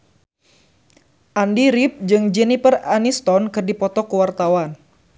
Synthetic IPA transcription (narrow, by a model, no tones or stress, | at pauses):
ʔandiɾip̚d͡ʒɨŋd͡ʒɛnipəranist̪ɔnkɨrdipɔt̪ɔkuwart̪awan